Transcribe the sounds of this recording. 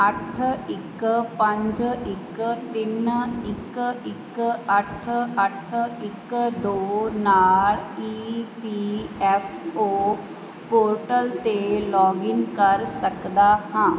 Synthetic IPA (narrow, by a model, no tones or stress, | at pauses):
əʈʰɪkpə̃ɲd͡ʒɪkt̪ɪnɪkɪkəʈʰəʈʰɪkd̪oːnaːliːpiːɛːfoː | poːɾʈəlt̪elɔːɡɪŋkəɾsəkd̪aːhãː